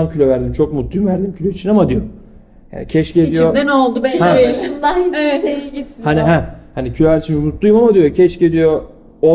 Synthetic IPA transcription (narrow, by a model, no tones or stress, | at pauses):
amcʰylʲøvæɾd̪imt͡ʃʰo̞k̚mut̪lˠujumvæɾd̪imcʰylʲøit͡ʃʰinamad̪ijo | ja̰ːnḭcʰɛʃcedijod̪ɛnolˠd̪ubɛhɛed̪ˠaiʃejiɟit̪haniɦɛhanicʰylʲøvæɾd̪it͡ʃʰinmut̪lˠujumamad̪ijocʰɛʃced̪ijo | o